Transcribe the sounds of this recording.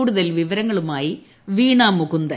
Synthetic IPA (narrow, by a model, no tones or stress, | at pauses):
ɽuðɐlʋiʋɐɾɐŋːɐɭumaːji | ʋiːɳaːmːuɣund̪ɐ